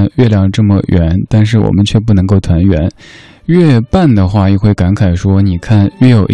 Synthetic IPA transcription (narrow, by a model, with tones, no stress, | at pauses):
nɥɛ˥˧ljɑ˥˩ŋʈ͡ʂɤ˥˩mə˩ɥɛ˧˥nt̪a˥˧nʂ̬ɻ̩˥˩wɔ̰˨˩mə˦nt͡ɕʰɥɛ˥˧p̬u˥˩nɤ˧˥ŋko˥˩ʊt̪ʰwa˧˥nɥɛ˧˥n | ɥɛ˥˧pa˥˩nd̪ə˩xwa˥˧i˥˩xwe˥˩ɪka˧˥nkʰa˨˩ɪʂwɔ˥ni˨˩kʰa˥˩nɥɛ˥˩jo˨˩ʊ